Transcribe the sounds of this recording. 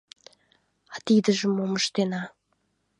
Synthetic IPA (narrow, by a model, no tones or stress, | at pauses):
ɑt̪id̪ə̆ʒə̆moməʃt̪enɑ